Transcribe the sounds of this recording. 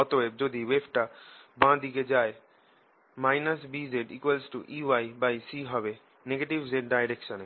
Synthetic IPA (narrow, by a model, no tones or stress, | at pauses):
ɔt̪oʋeb̚d͡ʒod̪iʋebʈabãd̪iked͡ʒaːe | maɪnəsbizeɖḭkʋəlsʈuʔiːʋaibajsiɦɔbe | neɡeʈiʋzeɖ̚ɖajɾekʃəne